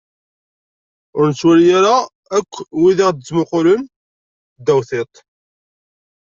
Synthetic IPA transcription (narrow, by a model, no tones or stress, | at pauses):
ʊɾnət͡sːwæljaɾa | ækʷːwiðɪʁd̪əzmʊqʊlən | d̪ːæwθet̪ˤ